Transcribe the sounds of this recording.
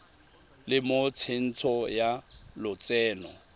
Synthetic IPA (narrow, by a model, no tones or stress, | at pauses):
lɪmot͡sʰen̩t͡sʰɔjalʊt͡sɛːnɔ